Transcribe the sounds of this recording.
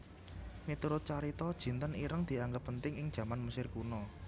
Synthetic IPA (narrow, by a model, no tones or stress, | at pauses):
mit̪uɾʊt̪̚t͡ʃaɾit̪ɔd̥ʒ̥i̤nt̪əniɾəŋd̪̥i̤aŋɡəpːənt̪ɪŋɪŋd̥ʒ̥ä̤manməsɪrkunɔ